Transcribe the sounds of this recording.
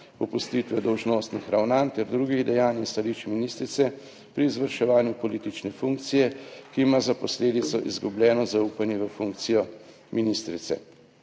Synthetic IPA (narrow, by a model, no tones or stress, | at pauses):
ɔpust̪iːt̪ʋɛd̪ɔwʒnoːst̪nixɾawnant̪ɛɾd̪ɾuːɡiɣd̪ɛjaːnist̪aliːt͡ʃminiːst̪ɾit̪sɛ | pɾiːzʋəɾʃɛʋaːnjupɔliːt̪it͡ʃnɛfuŋk̚t̪sijɛkiːmazapɔsleːd̪it̪sɔʔḭzɡubljɛːnɔzauːpanjɛʋəfuŋk̚t̪sijɔ | miniːst̪ɾit̪sɛ̰